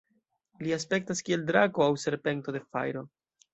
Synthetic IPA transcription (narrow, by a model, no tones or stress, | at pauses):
lias̬pe̞k̚taskie̞ldɾaɡo̞awse̞ɾpe̞nto̞de̞fa̰jɾo̞